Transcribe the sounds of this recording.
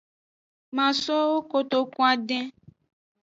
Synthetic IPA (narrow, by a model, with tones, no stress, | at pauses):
mã˨sɔ˦wo˦ko˨t̪o˨kũ˦a˨ɖɛ̃˦